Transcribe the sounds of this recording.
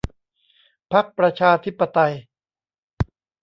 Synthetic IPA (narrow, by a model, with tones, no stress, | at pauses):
pʰa˦˥k̚pɾa˧t͡ɕʰaː˧t̪ʰi˦˥pːa˧t̪a˧j